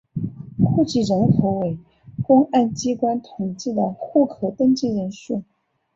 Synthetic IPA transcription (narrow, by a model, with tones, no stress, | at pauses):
kʰu˥˧t͡ɕi˥˩ɻə˧˥nkʰo˧˥ʊwe˧˩˥ɪ | kʊ˥ŋʔa˥˩nt͡ɕi˥kwa˥nt̪ʰʊ˨˩ŋt͡ɕi˥˩d̪ə˩xu˥˩kʰɤ˧˥t̪ə˥ŋt͡ɕi˥˩ɻə˧˥nʂu˥˩